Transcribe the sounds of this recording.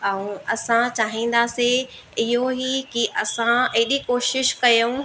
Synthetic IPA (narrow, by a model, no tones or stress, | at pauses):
ɛũɐsãt͡ɕaːɦĩːn̆d̪aːse | ɪɦoɦikiʔɐsãɐːɗikoːʃɪʃkɐjõ